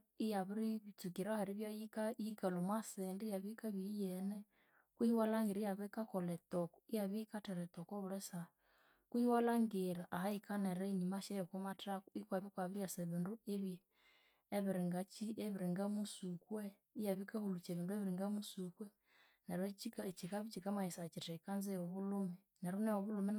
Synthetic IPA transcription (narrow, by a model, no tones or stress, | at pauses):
ijaβiɾiβit͡sukiɾahaɾiβjajikajikalomwasɛndijaβikaβijɛnɛ | kwuhiwalaŋɡiɾijaβikakolɛtokɔijaβikatɛɾɛt̪okoβuɾɛsa | kwuhiwalaŋɡiɾaʔahaikaneɾɛɲimaʃɛjokomatakuikwaβikwaβiɾiaseβindueβjː | βiɾiŋɡat͡ʃieβiɾiŋɡamusukwɛ | ijaβikahulut͡ʃeβindueβiɾiŋɡamusukwɛ | nɛɾɛt͡ʃikat͡ʃikaβit͡ʃikamaisat͡ʃitɛikanzɛjɔβulumɛ | nɛɾunɛjɔβulumɛ